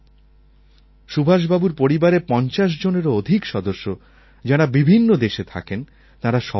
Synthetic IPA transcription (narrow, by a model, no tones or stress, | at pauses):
ʃubʱaʃ̬babuɾpoɾibaɾepɔnt͡ɕaʃ̬d͡ʑoneɾood̪ʱikʃɔd̪oʃːo | d͡ʑaɾabibʱinːod̪eʃet̪ʰa̰ken | t̪aɾaʃɔ